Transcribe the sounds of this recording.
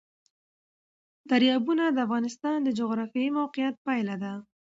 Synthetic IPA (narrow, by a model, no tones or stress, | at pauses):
t̪aɾjɑbunad̪əafɣɑnɪst̪ɑnd̪əd͡ʒʊɣɾɑfjɑimawqɪjat̪̚pɑjlad̪a